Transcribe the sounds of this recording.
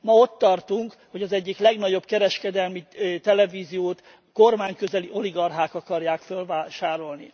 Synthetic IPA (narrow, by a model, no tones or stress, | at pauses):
mɒo̞t̪ːɒrt̪uŋk | ho̞ɟɒzɛɟːiklɛɡnɒɟo̞bkɛɾɛʃkɛd̪ɛlmit̪ɛlɛviːzijoːt̪ | ko̞rmaːɲkøzɛliʔo̞liɡɒrɦaːkɒkɒrjaːkfølvaːʃaːɾo̞lnḭ